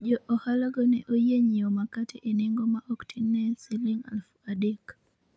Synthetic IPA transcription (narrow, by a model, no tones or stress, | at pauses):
d͡ʒɔʔohalaɡɔnɛʔojeɲiomakatʰeʔeneŋɡomaʔoktʰinːɛsiliŋa̰lfuadek